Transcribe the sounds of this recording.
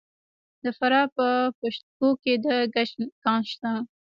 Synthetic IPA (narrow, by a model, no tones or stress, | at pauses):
d̪əfaɾɑpəpaʃt̪ɡoked̪əɡaʃkɑnʃt̪a